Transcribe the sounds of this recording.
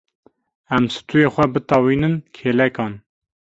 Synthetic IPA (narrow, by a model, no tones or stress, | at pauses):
ɛmsɨ̥t̪ujeːxʷɛbɨt̪ɑwiːnɨnkʰeːlɛkɑːn